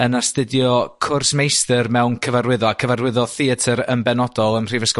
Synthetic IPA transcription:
ənastədjɔkʰʊrsmejstərmɛwnkʰəvarwɪðɔakʰəvarwɪðɔθiətʰəɾəmbɛnɔdɔlˠəmr̥ivəskɔ

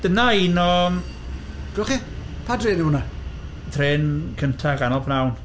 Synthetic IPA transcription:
d̥ənaiːnɔ | ɡ̥ɛlχi | pʰadreːnimʊna | tʰreːnkʰəntʰaɡanɔlˠpʰnawn

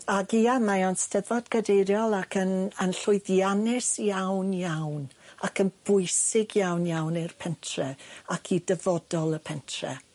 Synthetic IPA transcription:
aɡiamajanstɛðɔdɡədejɾjɔlˠakʰənənɬʊɨðjanɪsjawnjawnakʰənb̥ʊjsɪɡjawnjawnɪrpʰɛntʰrɛakʰidəvɔdɔlˠəpʰɛntʰrɛ̰

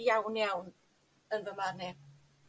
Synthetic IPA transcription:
jawnjawn | ənvəmarnɛ

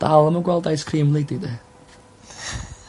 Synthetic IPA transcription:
d̥alˠəməɡwɛlˠdajskʰriːmlˠedidɛ

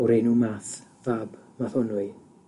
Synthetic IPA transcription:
ɔɾenuːmaθvabmaθɔnʊɨ

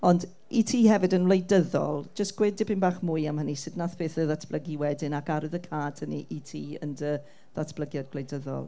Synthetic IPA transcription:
ɔnd | itʰiːhɛvɨdənvlˠejdəðɔ̰lˠd͡ʒəstɡ̥wɪdɪbʰɪnbaːχmʊːɨamhənisɪdnaθpʰeːθəðatʰb̥lˠəɡiwɛdɪnakaɾɨðəkʰaːtʰəniʔitʰiːə̰ndə | ðatʰb̥ləɡjad̚ɡlejdəðɔ̰lˠ

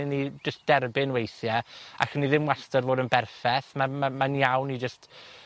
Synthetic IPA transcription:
ɪnːid͡ʒəst̚d̥ɛrbɪnwejθjɛa̰kʰənːiðɪmwastɔrvoːdənbɛrfɛθmamamaniawnid͡ʒəst

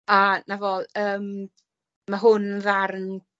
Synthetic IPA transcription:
anavɔlˠəːm | maɦʊnvarn

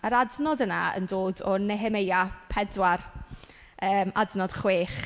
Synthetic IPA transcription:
əɾadnɔdənaə̰ndoːdɔnɛɦɛmejapʰɛdwar | əːmadnɔd̥χweːχ

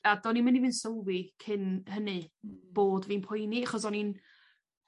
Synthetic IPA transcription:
adɔninmənivɨnsəwwikʰɪnhənɨb̥oːdviːnpʰʊjniaχɔsɔnin

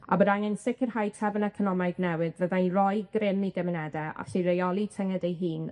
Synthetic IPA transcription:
a̰bəɾaŋɛnsɪkʰɪrhajtʰɛvənɛkʰɔnɔmajdnɛwɪðvəðanrɔjɡrɪmiɡɛmɪnɛdɛʔa̰ɬirejɔlˠitʰɛŋɛdɛjɦiːn

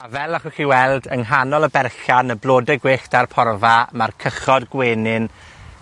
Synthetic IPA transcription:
avɛlˠaχuχiːwɛlˠdəŋɦanɔlˠəbɛrɬanəblˠoːdɛɡweːɬtarpʰɔrvamarkʰəχɔdɡweːnɪn

